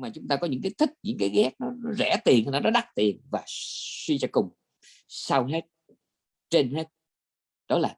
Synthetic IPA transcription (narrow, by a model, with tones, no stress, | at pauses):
maː˨˩t͡ɕʊ˨˦ŋ͡mt̪aː˧kɔ˨˦ɲɨ̰˧˥ŋkaː˨˦jt̪ʰï˦˥k̚ɲɨ̰˧˥ŋkaː˨˦jɣɛ˦˥k̚nɔ˨˦nɔ˨˦zɛ̰˧˩˥t̪i˨˩ənha˧nɔ˨˦nɔ˨˦ɗa˦˥k̚t̪i˨˩ənvaː˨˩swi˧t͡ɕa˧kʊ˨˩ŋ͡m | saː˧wɦe˦˥t̚ | t͡ɕe˧nɦe˦˥t̚ | ɗɔ˨˦laː˨˩